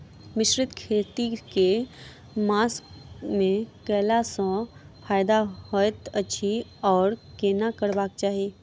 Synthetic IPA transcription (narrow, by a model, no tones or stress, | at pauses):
mɪʃɾɪt̪kʰeːt̪ike | maːskmẽkɛːlasɔ̃ | fʰaːjd̪aɦojt̪ətːʃʰiɔːɾkeːnakəɾbaːk̚t͡ʃaːɦieː